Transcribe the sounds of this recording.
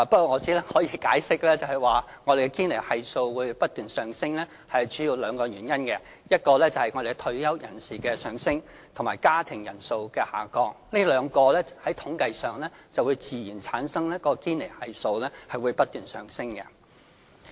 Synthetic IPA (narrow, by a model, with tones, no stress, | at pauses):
pɐ˥t̚kɔː˧ŋɔː˨˧t͡siː˨˥lɛ˥hɔː˨˥jiː˨˧kaː˨˥jsɪ˥k̚lɛː˥t͡sɐ˨whɐ˨˩jwaː˨˩ | ŋɔː˨˧de˨jkɛ˧kiː˥nle˨˩jhɐ˨jso˧wwuː˨˧jpɐ˥t̚t̪yː˨nsœː˨˩ŋsɪ˥ŋlɛː˥ | hɐ˨jt͡ʃy̥˨˥ji˧wlœː˨˧ŋkɔː˧jyː˨˩njɐ˥nkɛ˧ | jɐ˥t̚kɔː˧lɛː˥t͡sɐ˨˩hɐ˨˩jŋɔː˨˧d̪e˨˧t̪ʰɵ˧ɥjɐ˥wjɐ̰˨˩nsiː˨kɛː˧sœː˨ŋsɪ˥ŋ | t̪ʰʊ˨˩maː˨˩jkaː˥t̪ʰɪ˨˩ŋjɐ˨˩nso˧wkɛː˧ha̰ː˨˩kɔː˧k̚liː˥lœː˨˧ŋkɔː˧lɛː˥hɐ˨˥jt̪ʰʊ˨˥ŋkɐ˧jsœː˨ŋlɛː˥t͡sɐ˨wu˨˧jt͡siː˨jiː˨˩nt͡sʰaː˨˥nsɐ˥ŋlɛː˥kɔː˧˥ɔ˧kiː˥nle˨˩jhɐ˨jso˧wlɛː˥hɐ˨jwuː˨˧jpɐ˥t̪yː˨nsœː˨ŋsɪ˥ŋkɛ̰˧